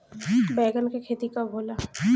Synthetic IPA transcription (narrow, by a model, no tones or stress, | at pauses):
bɛːɡənkekʰeːt̪ikabʱoːlaː